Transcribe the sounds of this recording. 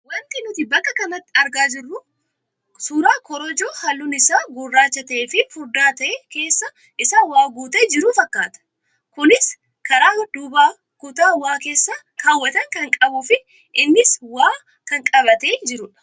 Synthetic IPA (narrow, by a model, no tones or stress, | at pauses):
wɐnt̪ɪnʊt̪ɪbɐkːɐkɐnɐt̪ːɪɐɾɡaːd͡ʒɪrːʊ | suːɾaːkɔɾɔd͡ʒoːhɐlːʊnɪsaːɡʊrːaːt͡ʃːɐt̪ɐʔeːfɪfʊɾd̪aːt̪ɐʔeːke̞ːsːɐ | ʔɪsaːwaːɡuːt̪eːd͡ʒɪɾuːfɐkːaːt̪ɐ̥ | kʊnɪs | kɐɾaːd̪ʊbaː | kʊt̪aːwaːke̞ːsːa | kaːwːɐt̪ɐŋkɐŋkʼɐbʊfɪ | ʔɪnːɪswaː | kɐŋkʼɐβɐt̪e̞ːd͡ʒɪɾʊᶑɐ̥